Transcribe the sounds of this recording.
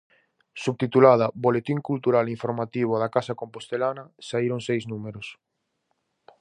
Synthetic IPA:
suβt̪it̪ulað̞ɐbolet̪iŋkult̪uɾaliɱfoɾmat̪iβ̞oðakasakompost̪elanɐsaiɾoŋsejznumeɾʊs

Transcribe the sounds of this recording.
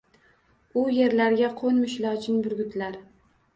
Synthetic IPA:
ʊje̞ɾlaɾɡʲaqʰonmɪʃlɒt͡ʃʰɪnbʊɾɡʲʊt̪ʰɪlaɾ

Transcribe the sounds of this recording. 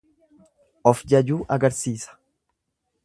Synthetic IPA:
ʔɔfd͡ʒɐd͡ʒuːʔɐɡɐɾsiːsɐ̥

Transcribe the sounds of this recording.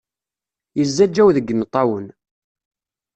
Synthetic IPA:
jəzːæd͡ʒːæwðəɡːənt̪ˤːɑwən

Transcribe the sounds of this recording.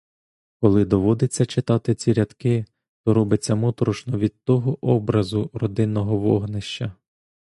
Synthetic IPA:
kɔlˠɪd̪ɔʋɔd̪et͡sʲːɐt͡ʃɪt̪ɑt̪ɪt͡sʲiɾʲɐt̪kɪ | t̪ɔɾɔbɪt͡sʲːɐmɔt̪ɾɔʃnɔʋʲid̪̚t̪ɔɦɔʔɔbɾɐzʊrɔd̪ɪnːɔɦɔʋɔɦnɪʃt͡ʃɐ

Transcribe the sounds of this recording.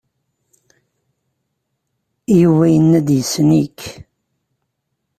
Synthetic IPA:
juvæjənːæd̪jəsənik

